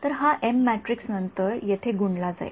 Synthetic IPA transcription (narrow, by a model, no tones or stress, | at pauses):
t̪əɾɦaʔemːæʈɾiksnənt̪əɾjet̪ʰeɡuɳɖlad͡za̰j̰ḛ